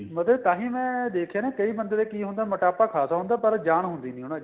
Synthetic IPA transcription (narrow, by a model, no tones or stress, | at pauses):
mət̪ləbt̪ãːɦĩːmɛ̃ːd̪eːkʰjãːnẽːkəiːbənd̪eːd̪eːkiːɦʊ̃nd̪aːməʈaːpaːkʰaːsaːɦʊ̃ːnd̪aːpəɾd͡ʒaːɳ̃ɦʊ̃nd̪iːnĩɦona